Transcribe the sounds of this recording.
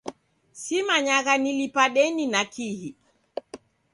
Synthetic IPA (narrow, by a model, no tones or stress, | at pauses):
simaɲaɣanilipaɗɛninakihi